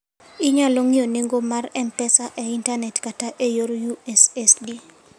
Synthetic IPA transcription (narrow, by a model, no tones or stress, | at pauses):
ɪɲaloŋioneŋɡomarɛmpɛsaʔɛintanɛtkataʔejoɾjuɛsɛsdi